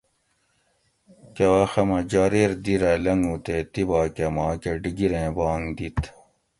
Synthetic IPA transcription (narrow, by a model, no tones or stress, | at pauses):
kewɐːxɐmɐd͡ʑaːɾeːɾd̪iɾɐlɐŋɡuːt̪et̪ibaːkemaːkeɖiɡiɾẽːbaːŋd̪it̪